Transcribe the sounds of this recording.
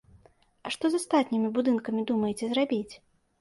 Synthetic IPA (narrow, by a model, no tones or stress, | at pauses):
ɐʂt̪ɔzast̪at̪ʲnʲimʲibud̪ɨnkɐmʲid̪umɐjt͡sʲɛzrabʲit͡sʲ